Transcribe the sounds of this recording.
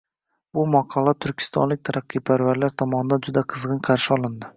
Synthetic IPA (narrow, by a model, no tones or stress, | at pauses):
bʊmɒqʰɑlˠat̪ʰʊɾkʲʰɪ̥st̪ɒ̰nlɪk̚ʲt̪ʰaɾaqʰːɨpʰaɾvaɾlaɾt̪ʰɒmɒnɪd̪ad͡ʒʊd̪aqʰɨzʁɨnqʰɑɾʃɪɒlˠɪnd̪ɪ